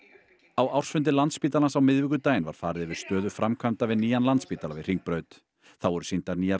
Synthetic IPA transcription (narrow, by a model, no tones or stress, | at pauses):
awawr̥sfʏnt̪ɪlant̪spiːt̪alansawmɪðvɪkʏt̪aːjɪnva̰ɾ̥faːɾɪðɪvɪɾ̥st̪œːðʏfɾamkʰamt̪avɪðniːjanlant̪spiːt̪alavɪðr̥iŋk̚pɾœːɥt̪ | θawɛɾʏ̥sint̪aɾniːja